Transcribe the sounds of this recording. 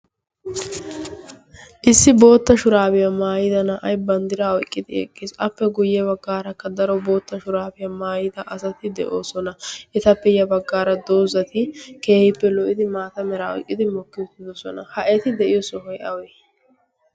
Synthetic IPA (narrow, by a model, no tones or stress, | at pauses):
ʔɪsːɪbo̞ːt̪ːɐʃʊɾaːbɪjɐmaːjɪd̪ɐnɐʔɐjbɐnd̪ɪɾaːɔjkʼːɪd̪ɪɛ̰kʼːisɐpːɛɡʊjːɛbɐɡːaːɾɐkːɐd̪ɐɾɔbo̞ːt̪ːɐʃʊɾaːbɪjɐmaːjɪd̪ɐʔɐsɐt̪ɪd̪ɛʔoːsɔnɐʔɛt̪ɐpːɛjɐbɐɡːaːɾɐd̪oːzɐt̪ɪke̞ːhɪpːɛlɔʔɪd̪ɪmaːt̪ɐmɛɾaɔ̰jkʼːɪd̪ɪmɔkːɪʊt̪ːɪd̪ɔsɔnɐ̰hɐʔɛt̪ɪd̪ɛʔɪjɔsɔɦɔjʔɐ̰wɛ